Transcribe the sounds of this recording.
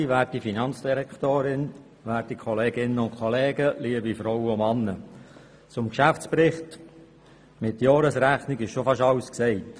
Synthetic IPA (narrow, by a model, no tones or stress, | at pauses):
iʋæːɾtifinɑnt͡sd̥iɾɛktoːɾɪn | ʋæːɾtikʰɔleːɡɪnːəʊnkʰχɔleːɡəliəbifɾɔwəʊmɑnːə | t͡sʊmkʃæft͡sprɪχt | mɪtjɔːɾəsɾæχnikɪʃʃofɑʃɑʊsksɛɪt